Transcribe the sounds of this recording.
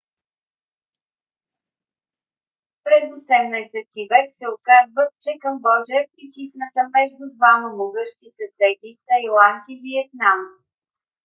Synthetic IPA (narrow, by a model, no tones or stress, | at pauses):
pɾɛzosɛmnəsɛt̪ivɛksɛokazvət̪̚t͡ʃɛkəmbɔd͡ʒɛɛpɾit̪isnət̪əmɛʒd̪ʊd̪vaməmoɡɤʃt̪isɐsɛd̪ʲit̪ɐjlˠant̪iviɛt̪̚nam